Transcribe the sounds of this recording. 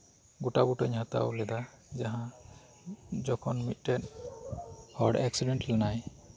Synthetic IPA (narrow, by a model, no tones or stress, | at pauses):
ɡutabutɔɲɦãt̪a̰wlɛda | zaɦã | zɔkʰɔnmit̚ˀtɛt | hɔɹɖɛksidɛntlɛnaj